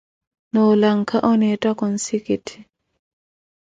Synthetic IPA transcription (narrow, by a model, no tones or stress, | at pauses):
nɔlaŋkaʔɔnɛtakɔnsikit